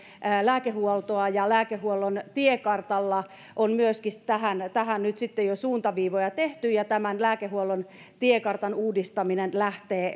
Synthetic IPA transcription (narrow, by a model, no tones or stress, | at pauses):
læːkehuolt̪oɑjɑlæːkehuolːont̪iekɑrt̪ɑlːɑ | ʔonmyøskist̪æhænt̪æhænnyt̪sit̪ːejosuːnt̪ɑʋiːʋojɑt̪eht̪yjɑt̪æmænlæːkehuolːon | t̪iekɑrt̪ɑnuːdist̪ɑminenlæht̪eː